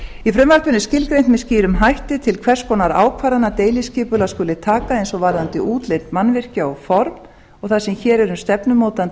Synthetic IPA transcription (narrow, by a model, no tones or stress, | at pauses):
ifɾʏmvakt̪ʏnːɪscɪlkɾejnt̪mɛðsciːɾʏmɦajht̪ɪt̪ʰɪlkʰvɛr̥skɔnaɾa̰ːwkʰvaːɾanːat̪eːjlɪscɪːpʏlaskʏːlɪt̪ʰaːkaejnsɔvaɾðant̪ɪʔuːt̪lejnt̪manvɪr̥caawfɔɾm | ɔɣθaðsɛmçɛːɾɛɾʏmst̪ɛpnʏmoːwt̪ant̪